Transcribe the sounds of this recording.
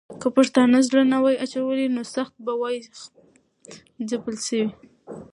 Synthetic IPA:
kəpaʂt̪ɑnazlanawajat͡ʃawəlinosaxt̪̚bawɑj | zapəlʃəwi

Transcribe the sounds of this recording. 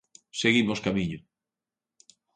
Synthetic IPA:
seɣimoskamiɲʊ

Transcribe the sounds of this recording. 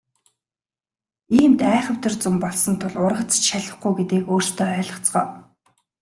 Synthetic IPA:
iːmt̪æːχə̆w̥t̪ə̆rt͡sʊmpɔɮsɞ̆nt̪ʰʊɮʊrʁə̆t͡st͡ɕʃaɮə̆χɡujɡet̪eːkoːrst̪ʰœːœːɮɞ̆χt͡sɢœː

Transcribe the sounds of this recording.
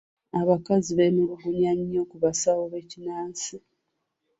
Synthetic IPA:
aβakaziβemuɾuɡuɲaɲo̞ːkuβasawoβe̞cinaːnsi

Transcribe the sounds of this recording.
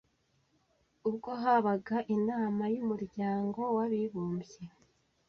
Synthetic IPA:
ub̚ɡo̞ɦaβaɡaʔinaːmajumuɾɟaːŋɡo̞waβiβuːmbje

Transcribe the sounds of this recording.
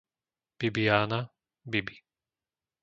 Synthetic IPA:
b̥ibijaːna | bibi̥

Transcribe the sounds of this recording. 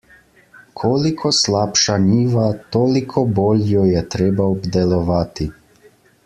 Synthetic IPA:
kʰoːlikʰɔslaːpʃaniːʋat̪oːlikʰɔboːljɔjɛt̪ɾeːbaɔbd̪ɛlɔʋaːt̪i

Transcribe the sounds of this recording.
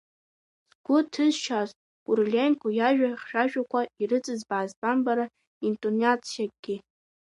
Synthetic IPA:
z̥ɡʷʊtʰɨzʃaz | kʼurlʲenkʼujaʒᶣaχʃᶣaʒᶣakʷʰaiɾɨt͡sʼɨzbaʕaːzbʼambaɾa | intʼonat͡sʰjak̚ʼɡ̥ʲɪ

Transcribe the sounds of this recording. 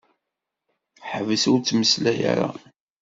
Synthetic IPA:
ħəvəsʊɾt͡sːməslæja̰ɾa̰

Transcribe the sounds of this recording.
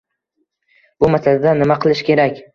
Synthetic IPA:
bʊmasalad̪anɪmaqʰɨlˠɪʃkʲʰe̞ɾakʲ

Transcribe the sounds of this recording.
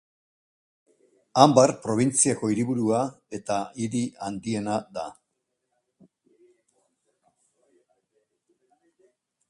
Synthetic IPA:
ambarpɾo̞β̞int͡siako̞iɾiβuɾuae̞t̪aiɾiand̪ie̞naða

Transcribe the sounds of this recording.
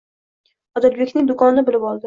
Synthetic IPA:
ɒd̪albekʲnɪŋd̪ʊkʰɒnɪnɪbɪlɪpɒlˠd̪ɪ

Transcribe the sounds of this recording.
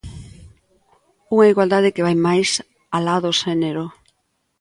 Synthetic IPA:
uŋaiɣwald̪að̞ɪkeβajmajs | alaðoʃɛneɾo

